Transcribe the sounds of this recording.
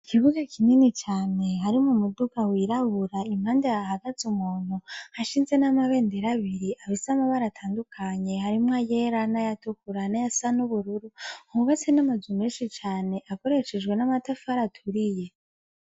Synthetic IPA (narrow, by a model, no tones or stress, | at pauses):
kiβuɡakininit͡ʃaːne̞ɦaɾimumudukawiɾahuɾaimhaːndeaɦaɡat͡sumuːn̥uhaʃiːnze̞namaβe̞ːndeɾaβiɾiʔaβisamaβaɾatʰaːndukʰaɲe̞haɾimwaje̞ɾanajatukuɾanajasanuβuɾuɾuouβat͡se̞namazumeʃit͡ʃaːne̞ʔako̞ɾe̞ʃed͡ʒɡwe̞namatafaɾatʰuɾije̞